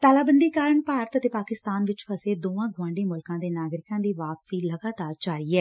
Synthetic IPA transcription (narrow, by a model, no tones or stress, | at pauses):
t̪aːlaːbənd̪iːkaːɾəɳpaːɾət̪ət̪eːpaːkɪst̪aːnʋɪt͡ʃpʰəseːd̪oːãːɡʱʊʋãːɳɖeːmʊlkãːd̪eːnaːɡɾɪkãːd̪iːʋaːpsiːləɡaːt̪aːɾd͡ʒaːɾiːɛː